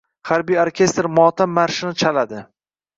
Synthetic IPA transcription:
χaɾbijoɾkʲʰe̞st̪ɾmɒːt̪ʰamːaɾʃɪnɪt͡ʃʰalad̪ɪ

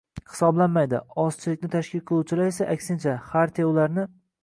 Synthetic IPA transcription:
hɪ̥sɒblanmajd̪ɪ̰ɒst͡ʃʰɪlɪk̚ʲnɪt̪ʰaʃkʲɪlqʰɨlˠuwt͡ʃʰɪlaɾe̞saʔakʲsɪnt͡ʃʰahaɾt̪ʰaʊlaɾnɪ

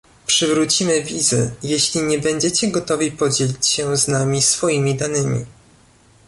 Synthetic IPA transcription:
pʂɘvɾut͡ɕimɘvʲizɘ̰jeɕlʲiɲɛbɛɲd͡ʑɛt͡ɕɛɡɔt̪ɔvʲipɔd͡ʑelʲit͡ɕɕɛznamʲisfɔjimʲid̪anɘmʲḭ

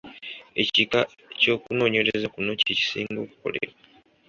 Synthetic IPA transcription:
e̞cika | co̞ːkuno̞ːɲe̞ɾezakuno̞cici̥siːŋɡo̞ːku̥ko̞̰lḛɾa

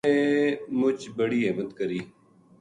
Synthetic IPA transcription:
eːmʊt͡ʃbəɽiːɦeːmət̪kəɾiː

